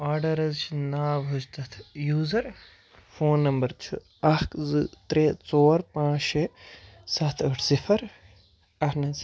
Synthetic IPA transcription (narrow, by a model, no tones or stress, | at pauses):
aːɾɖɐɾɐzt͡ʃʰinaːʋɦud͡ʒt̪ɐt̪ʰjuːzɐɾ | foːnːɐmbɐɾt͡ʃʰu | ɐɦkzɨt̪ɾeːt͡soːɾpãːt͡ʃʃesɐt̪ʰəʈʰsifʰɐɾ | ɐɦnɐs